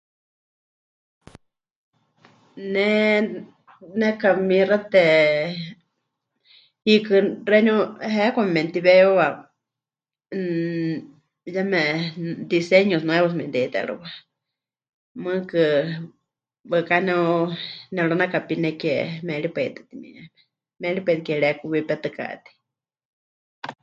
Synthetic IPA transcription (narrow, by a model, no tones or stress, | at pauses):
nɛ | nɛkamirat̪ɛ | hikɨreɲoɦɛkʷammɛ̃nt̪iβɛoβa | jamɛ̃d̪isɛɲosnw̃ɛβos̬mɛ̃nt̪ɛt̪ɛ̰ɺṵβa | mɨ̃kɨ | βɨkanɛunɛɺonakapinɛkɛmɛɺipɛit̪ɨ̥t̪imḭamɛ̥ | mɛɺipet̪̚kɛɺɛkuβipɛt̪ɨka̰ʔt̪i̥